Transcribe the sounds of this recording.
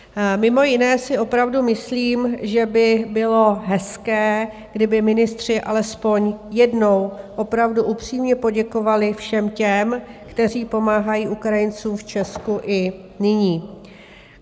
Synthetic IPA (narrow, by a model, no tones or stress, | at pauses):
mɪmo̞jɪnɛːsɪʔo̞pɾavdumɪsliːmʒɛbɪbɪlo̞ɦɛskɛː | ɡdɪbɪmɪnɪst̪r̝̥ɪʔa̰lɛspo̞ɲjɛdno̞wʔo̞pɾavduʔupr̝̥iːmɲɛpo̞ɟɛko̞valɪfʃɛmcɛmkt̪ɛr̝iːpo̞maːɦajiːʔukɾajɪnt͡suːmft͡ʃɛskuʔɪ | nɪɲiː